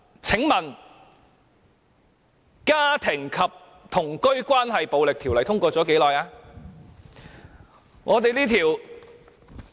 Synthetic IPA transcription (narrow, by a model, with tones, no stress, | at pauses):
t͡sʰɪ˨˥ŋmɐ˨˩n | kaː˥t̪ʰɪ˨˩ŋkʰɐ˨p̚ | t̪ʰʊ˨˩ŋkɵ˥ɥkʷaː˥nɦɐ˨jpo˨˧wlɪ˨k̚t̪ʰi˨˩wlɐ˨˩jt̪ʰʊ˥ŋkʷɔː˧t͡sɔː˨˥ke˨˥jlɔː˨jaː˧ | ŋʔɔː˨˧t̪e˨jliː˥t̪ʰiː˨˩w